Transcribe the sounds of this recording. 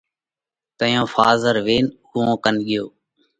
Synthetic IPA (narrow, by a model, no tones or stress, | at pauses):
t̪əjõːfaːzəɾʋeːn | ʊõːkənɠɪjoː